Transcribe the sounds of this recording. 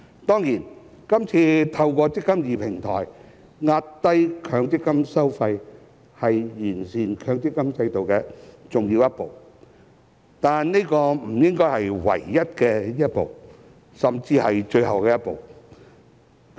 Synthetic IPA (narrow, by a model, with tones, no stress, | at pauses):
t̪ɔː˥ŋjiː˨˩n | kɐ˥mt͡sʰiː˧t̪ʰɐ˧wkɔː˧t͡sɪ˥kːɐ˥mjiː˨pʰɪ˨˩ŋt̪ʰɔ̰ː˨˩j | ŋaː˧t̚t̪ɐ˥jkʰœː˧ŋt͡sɪ˥kːɐ˥msɐ˥wfɐ˧j | hɐ˨jjiː˨˩nsiː˨˩nkʰœː˨˧ŋt͡sɪ˥kːɐ˥mt͡sɐ˧jt̪o˨wkɛː˧t͡sʊ˨ŋjiː˧wjɐ˥t̚po˨˩w | t̪aː˨nne˥jkɔː˧m̩˨˩jɪ˥ŋkɔː˥jhɐ˨jwɐ̰˨˩jːɐ˥t̚kɛː˧jɐ˥t̚po˨w | sɐ˨mt͡siː˧hɐ˨jt͡ʃɵ˧ɥhɐ˨wkɛː˧jɐ˥t̚po̰˨w